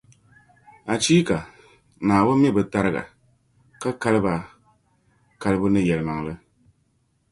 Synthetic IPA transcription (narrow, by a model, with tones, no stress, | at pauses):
a˨t͡ʃiː˦ka˨ | naː˨bʊ˦m˦i˦˨bɨ˨ta˦ɾɨ˦ɡa̰˨ | ka˦ka˦lɨ˦ba˨ | ka˨˦lɨ˦bɨ˦nɨ˦jɛ˨lɨ˨ma˨ŋ˨lɨ˦